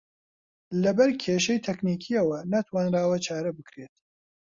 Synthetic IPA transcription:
lɐbɐɾkʰeʃɛjt̪ʰɛkniːkʰiɐwɐnat̪ʰwaːnɾaːwɐt͡ʃʰaːɾɐbɨkɾeːt̪

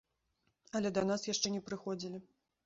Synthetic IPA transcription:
ɐlʲɛd̪ɐnasjaʂt͡ʂɛnʲɛpɾɨxɔd͡zʲilʲi

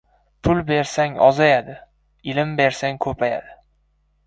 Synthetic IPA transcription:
pʰʊlbeɾsaŋɒ̰zajad̪ɪ | ɪlɪmbe̞ɾsaŋkʰɵpʰaja̰d̪ɪ

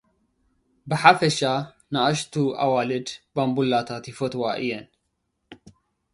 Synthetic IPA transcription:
bɨħafɛʃa | naʔaʃt̪uʔa̰waːlɨd̪bambulːat̪ʰat̪ifot̪waʔijɛn

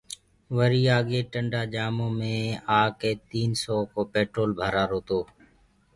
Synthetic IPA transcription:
ʋəɾiːaːɠeːʈəɳɖaːd͡ʒaːmõːmẽːaːkeːt̪iːnsɔːkoːpeːʈɾoːlbʱaːɾaːɾoːt̪oː

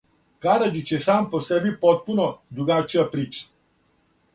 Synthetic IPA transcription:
kaɾad͡ʒit͡ʃjesampɔsɛbipɔt̪̚punɔd̪ɾuɡat͡ʃiapɾit͡ʃ

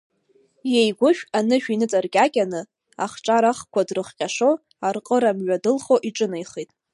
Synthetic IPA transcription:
jejɡʷʊʃᶣanɨʃᶣinɨt͡sʼarɡʲʼakʲʼanɨ | a̰χʈ͡ʂʼaɾaχkʷʰadrɨχqʲʼaʂo | arqʼəɾamɥadɨlχo̞ʔiʈ͡ʂʼɨnajχitʼ

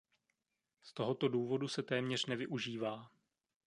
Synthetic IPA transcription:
st̪o̞ɦo̞t̪o̞duːvo̞dusɛt̪ɛːmɲɛr̝̥nɛvɪʔuʒiːvaː

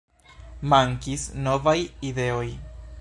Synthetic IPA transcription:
maŋkisno̞vajide̞o̞j

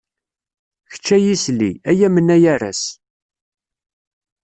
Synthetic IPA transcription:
çə̥t͡ʃːæjisliæjæmənːæjæɾæ̰s

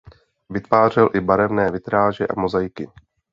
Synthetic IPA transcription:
vɪt̪vaːr̝ɛlʔɪbaɾɛvnɛːvɪt̪ɾaːʒɛʔa̰mozajkɪ

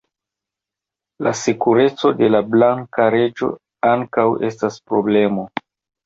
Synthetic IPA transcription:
lasikuɾe̞t͡so̞de̞lablaŋkaɾe̞d͡ʒo̞̰ | aŋkawe̞̰staspɾo̞ble̞mo̞

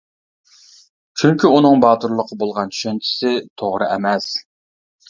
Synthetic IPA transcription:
t͡ʃʰyŋkʲiunɨŋbɑːt̪uɾlˠəqʰəbolˠʁɑnt͡ʃʰy̥ʃɛnt͡ʃʰi̥sɪt̪ʰoʁɾɨʔɛmɛs

